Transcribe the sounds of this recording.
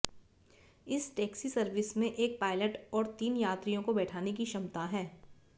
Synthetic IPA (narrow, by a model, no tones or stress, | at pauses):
ɪsʈɛːksisɐɾʋɪsmẽʔeːk̚paːɪləʈɔːɾt̪iːnjaːt̪ɾijõkobɛːʈʰaːnek̬iʃɐmt̪aɦɛː